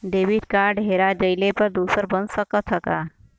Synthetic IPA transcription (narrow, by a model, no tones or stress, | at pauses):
ɖeːʋɪʈkaːɾɖɦeːɾad͡ʒɐɪlepɐɾd̪uːsəɾbɐnsəkət̪ʰɐkaː